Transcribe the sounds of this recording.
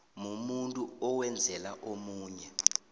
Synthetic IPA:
mumuntʼuɔwɛnd͡zʱɛlaʔomuːɲɛ

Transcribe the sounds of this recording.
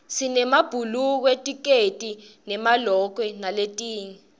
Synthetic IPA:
sinɛmab̥ʱuluk̬wetʼik̬etʼinɛmalɔk̬wɛnaletʼiːŋi

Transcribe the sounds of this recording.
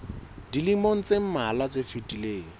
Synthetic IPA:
dilimoŋ̩t͡sʼem̩malat͡sʼefitʼileːŋ̩

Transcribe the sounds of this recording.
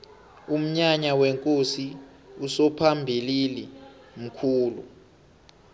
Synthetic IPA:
um̩ɲaɲaweŋkʼosi | usɔpʰambʱilili | m̩kʰuːlu

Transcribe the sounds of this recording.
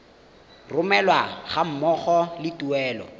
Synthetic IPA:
rʊmɛlwaχam̩mɔχɔlɪtuɛːlɔ̰

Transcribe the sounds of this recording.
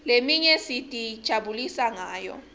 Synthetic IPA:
lemiɲɛsitʼid̥ʒ̥ʱaɓulisaŋaːjɔ̰

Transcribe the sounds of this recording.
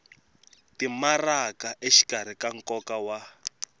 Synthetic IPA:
timarakaʔeʃi̥kaɾ̤ikaŋ̩kɔkawa

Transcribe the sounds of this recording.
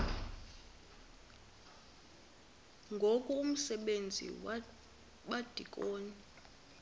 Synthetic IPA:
ŋɡʱokʼuum̩sɛɓend͡zʱḭ | ɓad̥ʱikʼoːni

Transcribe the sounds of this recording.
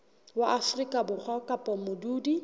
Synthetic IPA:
waʔafrikʼabʊk͡xʰwakʼapʼɔmʊduːdi

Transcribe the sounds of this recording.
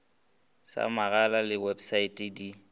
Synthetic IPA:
sa̰maɣalalɪwebsaitʼidi

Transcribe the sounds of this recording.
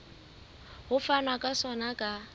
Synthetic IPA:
hʊfanakʼasɔnakʼa

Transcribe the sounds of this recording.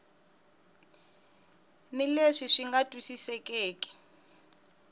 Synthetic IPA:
nileʂiʂiŋɡatʼwisisɛkʼeːkʼɛ̥

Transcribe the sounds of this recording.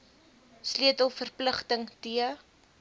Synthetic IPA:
sliətəlˠfərpləχtəŋtiə

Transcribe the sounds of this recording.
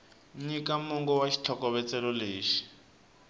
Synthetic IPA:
ɲikamuŋɡɔwaʃi̥t͡ɬʰɔkɔβɛt͡sɛlɔleːʃi̥

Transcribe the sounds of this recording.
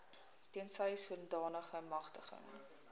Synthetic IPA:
tiənsəjsuəndɑːnəχəmɐχtəχə̰ŋ

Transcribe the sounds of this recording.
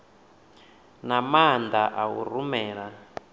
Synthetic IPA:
namand̪aʔaṵrumɛːɺa

